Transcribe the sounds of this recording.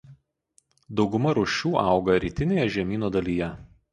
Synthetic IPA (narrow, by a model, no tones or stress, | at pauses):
d̪ɒʊɡʊmɐɾʊʃʲuːʔɑˑʊɡɐɾʲiːt̪ʲɪnʲeːjɛʒʲɛmʲiːnoːd̪ɐlʲijɛ